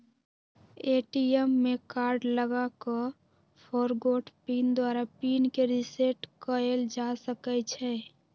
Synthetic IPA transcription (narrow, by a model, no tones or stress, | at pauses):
eːʈiɛmːekaːɾɖləɡakə | pʰoːɾɡoːʈpiːnd̪waːɾapiːnkeɾɪseʈkəeld͡ʒasəkɛt͡ʃʰɛː